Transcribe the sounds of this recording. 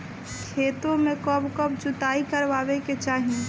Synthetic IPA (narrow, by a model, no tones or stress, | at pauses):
kʰeːt̪õmẽkɔbkɔbd͡ʒʊt̪aikəɾʋaːʋeket͡ʃaːɦi